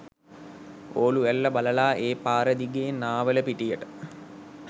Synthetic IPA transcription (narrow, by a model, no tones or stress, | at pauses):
oːluʋælːəbaləlaːʔeːpaːɾəd̪iɡeːnaːʋələpiʈijəʈə